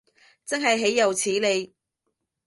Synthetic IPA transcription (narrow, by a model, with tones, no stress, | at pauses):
t͡sɐ˥ŋɦɐ˨jɦe˨˥jːɐ˨wt͡sʰiː˨˥le˨˧j